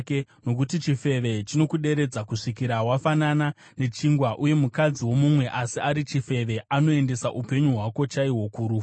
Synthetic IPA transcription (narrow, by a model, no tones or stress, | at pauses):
keno̞k̬utit͡ʃife̞ʋe̞t͡ʃino̞kuɗe̞ɾe̞d͡zakuʂikiɾawafanana | ne̞t͡ʃiŋɡwaʔuje̞mukad͡ziwo̞mumwe̞ʔasiaɾit͡ʃife̞ʋe̞ʔano̞e̞nde̞saʔupe̞ɲuɦwako̞t͡ʃaiwo̞kuːɾu